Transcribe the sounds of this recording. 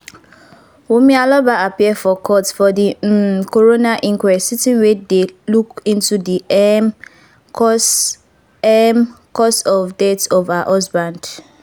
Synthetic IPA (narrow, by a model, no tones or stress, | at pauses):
wumealɔbaapiɛfɔkʰɔtsfɔdikoɹonaʔĩŋkwɛsitĩnwedelukĩntudi | s | ɛm | kɔsɔvdɛtɔvaʔɔsbãnd